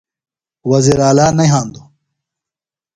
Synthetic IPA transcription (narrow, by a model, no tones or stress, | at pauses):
wɐziːɾaːlaːnɐjɦãːnd̪u